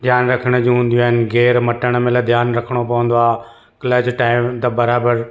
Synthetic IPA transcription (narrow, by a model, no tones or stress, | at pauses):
d̪ʱjaːnɾɐkʰəɽ̃əd͡ʑũɦũːn̆d̪ijuaːɦɪnɪ̆ɣeːɾmɐʈəɽ̃ə̆mẽlɐd̪ʱjaːnɾɐkʰəɽ̃opɐʋə̃nd̪oaː | kɪləd͡ʑʈaːɪmt̪ɐbɐɾaːbəɾ